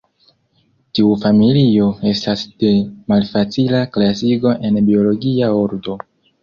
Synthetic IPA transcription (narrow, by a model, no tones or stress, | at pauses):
tiufamilio̞e̞stasd̥e̞malfat͡silaklasiɡo̞ʔe̞nbio̞lo̞ɡiaoɾdo̞